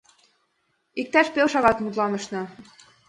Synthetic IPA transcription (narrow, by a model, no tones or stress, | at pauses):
ik̚t̪æʃpelʃɑɣɑt̪mut̪lɑnɤ̆ʃnɤ̆